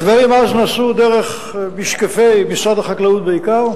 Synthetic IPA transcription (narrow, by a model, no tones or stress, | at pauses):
d̪vaʁimaznaːsud̪eʁeχ | biʃkafejmisʁad̪aχaklaut̪̚beikaʁ